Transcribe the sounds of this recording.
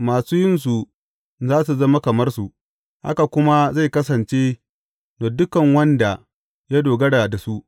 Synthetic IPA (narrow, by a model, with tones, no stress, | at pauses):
maː˨suː˦jɪ˦ns̬u˨ | zaː˦s̬u˨zɐ˦ma˦kɐ˨mɐ˦rsu˨ʔ | ha̰˦ka˨kʷʊ˦ma˦za˦˨jkɐ˦s̬ɐ˨nt͡ʃe˦ | noː˨dʊ˦kɐ˨ŋwɐ˦nda˨ | ja˦doː˨ɡɐ˦ɽa˨da˨su˦ʔ